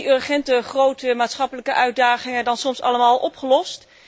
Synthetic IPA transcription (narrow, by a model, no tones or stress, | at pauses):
ørχɛntəχrowtəmaːtsχɑpələkəʔœɥd̚daːχɪŋədɑnsɔmsɑ̰ləmaːlˠʔɔpχəlɔst